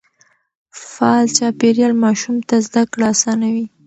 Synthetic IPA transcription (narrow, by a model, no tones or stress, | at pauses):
falt͡ʃɑpeɾjɑlmɑʃumt̪azd̪akɽasɑnawi